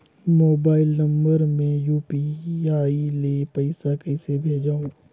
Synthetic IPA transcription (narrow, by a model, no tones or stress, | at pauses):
moːbaːɪlnɐ̃mbəɾmẽjuːpiaːileːpɐɪsakɛɪsebʱeːd͡ʒaːũː